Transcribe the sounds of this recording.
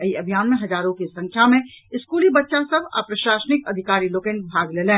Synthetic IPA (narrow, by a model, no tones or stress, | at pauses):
ɐiɐbʱijaːnmẽɦɐd͡ʒaːɾõkisɐ̃ŋkʰjamẽ | ɪskuːlibɐtːʃãsɐbʱa̰pɾɐʃaːsənɪkɐd̪ʱɪkaːɾiloːkẽɳ̚bʱaːɡleːlẽː